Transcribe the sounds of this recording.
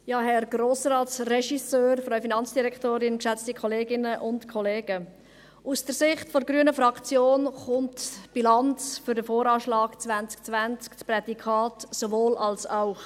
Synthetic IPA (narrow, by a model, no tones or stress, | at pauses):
jɑːɦɛrɡɾoːsrɑːtsrɛʃisøːɾfɾœʏfinɑnt͡sd̥iɾɛkʰtoːɾɪnkʃɛt͡stikʰɔleːɡɪnəʔʊntkʰɔleːɡ̥ə | ʔusd̥əɾsɪχtfɔɾɡɾyənəfɾɑkt͡sjoːnχʊntb̥ilɑnt͡sfʏɾdəfoːɾɑːʃlɑːɡt͡sʋænt͡sk̚t͡sʋænt͡skt͡spɾɛdikʰɑːtsovoːlʔɑlsaʊx